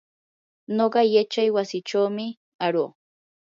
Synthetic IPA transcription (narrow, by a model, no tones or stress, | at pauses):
noɢɑjat͡ʃajwasɪt͡ʃawmɪ | aɾoː